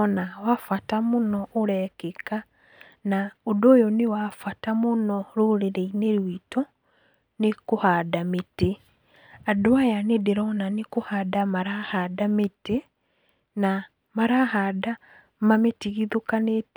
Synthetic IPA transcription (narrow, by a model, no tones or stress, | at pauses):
nawafatamonɔʔoɾɛkeka | naodoːjɔnewafatamonɔɾoɾeɾeineɾwitɔ | nekohadamete | adoajanedeɾɔnanekohadamaɾahadamete | na | maɾahada | mametiɣiðokanet